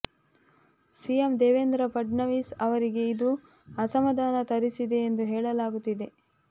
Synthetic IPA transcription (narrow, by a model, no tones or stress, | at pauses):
sijemd̪eːʋeːnd̪ɾɐpɐɖɳɐʋiːsɐʋɐɾiɡe̞id̪u | ɐsɐmɐd̪ʱaːnɐt̪ɐɾisid̪e̞ːnd̪uɦeːɭɐlaːɡut̪ːid̪e̞